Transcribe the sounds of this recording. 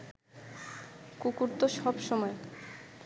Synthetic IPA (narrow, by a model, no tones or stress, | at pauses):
kukuɾt̪oʃɔbʃɔmɔe